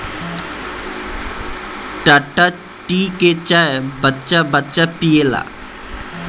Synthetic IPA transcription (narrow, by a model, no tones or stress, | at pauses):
ʈaːʈaː | ʈiːket͡ʃaːebətːt͡ʃabətːt͡ʃapieːla̰ː